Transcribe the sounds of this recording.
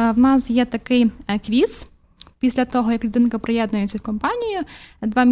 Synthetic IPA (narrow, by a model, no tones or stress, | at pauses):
wnɑsjɛt̪ɐkɪjkʋʲis | pʲisʲlʲɐt̪ɔɦɔjɐklʲʊd̪ɪnkɐpɾɪjɛd̪nʊjet͡sʲːɐwkɔmpɑnʲijʊd̪ʋɑmʲ